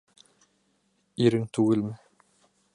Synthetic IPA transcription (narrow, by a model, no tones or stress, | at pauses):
iɾɘŋt̪ʉɡɘlmɘ